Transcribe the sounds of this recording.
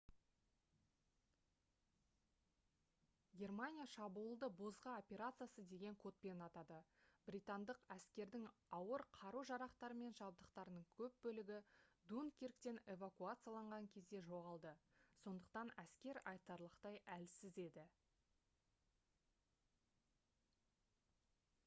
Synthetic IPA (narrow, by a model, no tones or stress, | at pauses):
ɡʲe̞rmanʲijaʃɑbuːəlˠd̪əbo̞zʁɑo̞pʲe̞ɾat̪sɨjasəd̪e̞ɡʲe̞ŋkʰo̞t̪̚pe̞nɑt̪ɑd̪əbɾʲijt̪and̪əqæskʲe̞ɾd̪ɪŋɑwəɾqʰɑɾuʒɑɾɑqt̪ɑɾəme̞nʒɑb̚d̪əqt̪ɑɾənəɴkʲʰɵp̚bɵlɪɡʲɪd̪unkʲeɾk̚t̪e̞ne̞vakuat̪sɨjalˠɑɴʁɑŋkʲʰe̞zd̪e̞ʒo̞ʁɑlˠd̪əso̞nd̪əqt̪ɑnæskʲe̞ɾɑjt̪ɑɾlˠəqt̪ɑjælsɪze̞d̪ɪ